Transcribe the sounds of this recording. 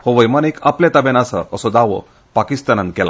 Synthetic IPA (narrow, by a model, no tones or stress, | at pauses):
hoʋəjmanikʰaplat̪abɛnasə̰ʔəsɔd̪aʋɔ̰ | pakist̪anankɛla̰